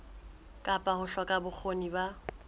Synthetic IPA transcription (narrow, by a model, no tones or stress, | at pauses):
kʼapʼahʊɬwakʼabʊk͡xʰoniba